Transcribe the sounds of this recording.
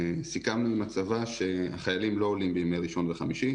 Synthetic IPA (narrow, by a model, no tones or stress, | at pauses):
sikamnuimat͡savaʃe̞a̰χajalimlo̞olimbejimejʁiʃo̞nveχamiʃi